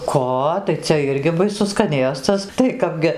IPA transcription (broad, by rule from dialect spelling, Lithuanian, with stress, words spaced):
ˈkoː tɐɪ ˈt͡sʲɛ ˈɪrʲɡʲɪ bɐɪˈsʊs skɐˈnʲeːstɐs tɐɪ ˈkɑːbʲɡʲɪ